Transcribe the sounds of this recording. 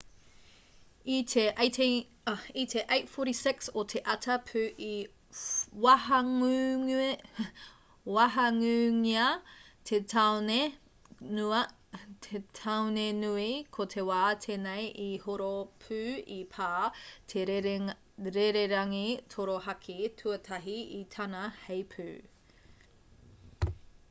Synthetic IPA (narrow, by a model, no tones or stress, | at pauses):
itʰeʔetʰe | itʰeʔejtfoɾisɪksotʰeʔɐtʰɐpʰʉːʔi | wɐɦɐŋʉ | wɐɦɐŋʉŋiɐtʰetʰawne | nuɐ | tʰetʰɐwnenuikʰotʰewaːtʰeːnejʔihoɾopʰʉːipʰaːtʰeɾ | ɾeɾeɾɐŋitʰoɾohɐkʰitʰuɐtʰɐɦiitʰɐnɐhejpʰʉː